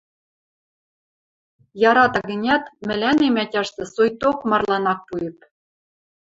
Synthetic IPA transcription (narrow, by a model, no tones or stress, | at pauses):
jɑɾɑt̪ɑɡɘ̆nʲæt̪mɘ̆lʲænemætʲɑʃt̪ɤ̆sojt̪okmɑrlˠɑnɑk̚pujɘ̆p̚